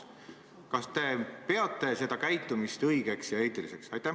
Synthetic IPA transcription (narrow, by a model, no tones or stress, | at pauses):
kɑst̪e̞pe̞ɑt̪ːˑe̞se̞d̪̥ɑkæjt̪ːˑumist̪ɤjɡ̥e̞ksjɑeːt̪ˑilise̞ksɑ̰jt̪ːˑæh